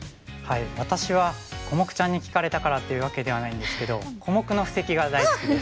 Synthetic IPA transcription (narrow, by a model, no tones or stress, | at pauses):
haiβat̪aɕiβako̞mo̞kɯ̟̥t͡ɕãɲ̟ːikʲi̥kaɾe̞t̪akaɾat̪ːe̞jɯ̟β̞ake̞d̪e̞β̞anaĩnd̪e̞sɨ̥ke̞d̪o̞kʰo̞mo̞kɯ̟no̞ɸɯ̟̥se̞kʲiɡad̪aizkɯ